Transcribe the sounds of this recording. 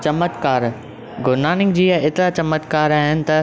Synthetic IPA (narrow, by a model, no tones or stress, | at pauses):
t͡ɕɐmət̪kaːɾ | ɡʱʊɾnaːnɪ̃ŋɡd͡ʑiːɐɪt̪ɾat͡ɕɐmət̪kaːɾaːɦɪnɪ̆t̪ɐ